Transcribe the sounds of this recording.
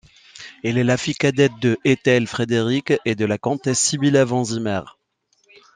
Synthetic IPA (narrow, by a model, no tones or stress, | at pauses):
ɛlɛlafikad̪ɛt̪̚d̪əʔet̪ɛlfχed̪eʁiked̪əlakɔ̃t̪ɛsːibilavɑ̃zimɛʁ